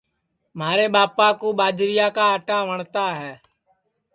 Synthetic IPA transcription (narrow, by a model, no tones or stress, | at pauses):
maːɾeːɓaːpaːkũːɓaːd͡ʒɾɪjaːkaːəʈaːʋəɳt̪aːɦɛː